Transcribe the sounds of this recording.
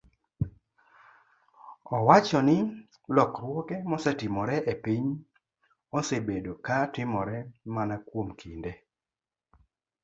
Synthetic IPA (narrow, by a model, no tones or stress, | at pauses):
ɔwat͡ʃɔnɪ | lɔkɾwɔkɛmɔsɛtɪmɔɾɛʔepiɲ | ɔsebedokatɪmɔɾɛmanakwomkʰinde